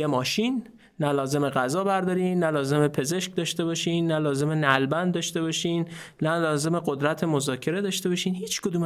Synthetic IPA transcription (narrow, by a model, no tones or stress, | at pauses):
emɒːʃinː | ælɒːze̞me̞ɣæzɒːbæɾd̪ɒːɾiːnːælɒːze̞me̞pʰe̞zeʃk̚d̪ɒːʃt̪e̞bɒːʃiːnːælɒːze̞me̞nælbænd̪d̪ɒːʃt̪e̞bɒʃiːn | nælɒːze̞me̞ɢod̪ɾæt̪ʰemozɒːcʰe̞ɾe̞d̪ɒːʃt̪e̞bɒʃiːnhiːt͡ʃʰkʰod̪uːm